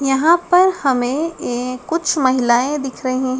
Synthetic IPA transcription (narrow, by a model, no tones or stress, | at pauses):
jɐɦãpɐɾhɐmẽekːʊt͡ʃʰmɐɦɪlaːẽd̪ɪkʰɾɐɦĩɦɛ̃